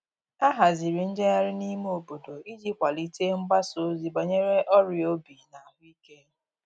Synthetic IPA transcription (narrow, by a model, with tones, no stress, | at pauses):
a˦ɦa˨zi˨ɾi˨n̩˦d͡ʒe˦a˦ɾɪ˦ni˦m˦o˨bo˨do˨i˦d͡ʒi˦kʷa˨li˦te˦ŋ͡m̩˦ɡ͡ba˦so˦zi˨ɡ͡ba˨ɲe˦ɾe˦ʔɔ˦ɾjo˦bi˨na˨ɦʊ˦i˦ke˦